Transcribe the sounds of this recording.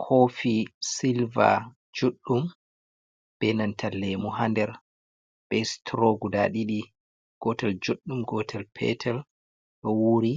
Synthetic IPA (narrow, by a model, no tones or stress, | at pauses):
kʰoːfisilva̰ | d͡ʒuɗːum | b̥ɛnantʰalːɛmuɦandɛɾ | b̥ɛstʰɾoɡudaɗiɗi | ɡ̥ɔtɛld͡ʒoɗːumɡɔtʰɛlpʰɛ̰tʰɛl | ɗɔwuɾi